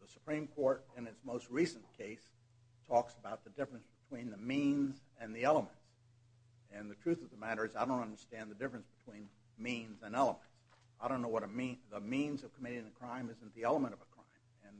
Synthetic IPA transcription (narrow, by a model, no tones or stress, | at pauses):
ðəsə̥pʰɹ̥ĩmkʰɔɹɾɪ̃nɨtsmoʊst̚ɹisɨ̃nkʰeɪs | tʰɔksəbaʊt̪̚ðɨdɪfɹɨ̃nsb̥ɨtʰw̥ĩnðɨmĩnzɨ̃nðiɛlˠəmɨ̃nts | ɨ̃nðɨtʰɹ̥ʉθʌvðəmæɾə˞ɨzaɪɾõʊ̃ntʌ̃ndə˞stæ̃nðɨdɪfɹɨ̃nsb̥ɨtʰw̥ĩn | mĩnzɨ̃nɛlˠəmɨ̃nts | aɪɾõʊ̃nːoʊwʌɾəmiðəmĩnzʌv̥kʰəmɪɾɪ̃ŋɨkʰɹ̥ãɪ̃mɨz̃n̩ðiɛlˠəmə̃ɾ̃ʌvəkʰɹ̥ã̰ɪ̃mɨ̃n